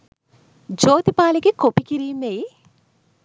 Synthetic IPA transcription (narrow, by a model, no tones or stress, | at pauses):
d͡ʒoːt̪ipaːleɡekopikiɾiːmej